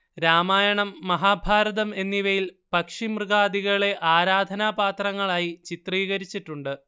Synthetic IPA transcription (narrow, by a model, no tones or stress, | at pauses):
ɾaːmaːjɐɳɐmːɐɦaːbʱaːɾɐðɐme̞nːiʋɐjilpɐkʂimrɨɣaːd̪iɣɐɭe̞ʔaːɾaːd̪ʱɐnaːpaːt̪rɐŋːɐɭaːjit͡ɕit̪riːɣɐɾit͡ɕːiʈːuɳɖɨ